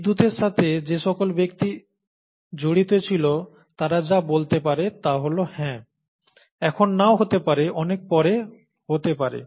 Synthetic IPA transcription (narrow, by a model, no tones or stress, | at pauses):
d̪ut̪eɾʃat̪ʰed͡ʑeʃɔkolbek̚t̪i | d͡ʑoɽit̪et͡ɕʰilo | t̪aɾad͡ʑabolt̪epaɾet̪aɦolohɛ̃ | ɛkʰonːaoɦot̪epaɾeʔɔnek̚pɔɾe | hot̪epaɾḛ